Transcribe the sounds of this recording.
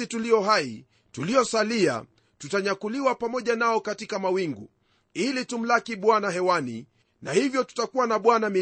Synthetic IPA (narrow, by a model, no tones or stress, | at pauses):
itulijɔɦai | tulijɔsalia̰ | tutaɲakuliwapamɔʄanaɔkatikamawiŋɡṵ | ilitum̩lakiɓwanaɦɛwanḭ | nahivjɔtu̥takuwanaɓwanami